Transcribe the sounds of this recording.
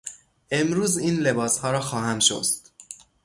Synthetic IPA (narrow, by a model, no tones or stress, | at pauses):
ʔe̞mɾuːziːnle̞bɒːshɒːɾɒːxɒːhæmʃo̰st̪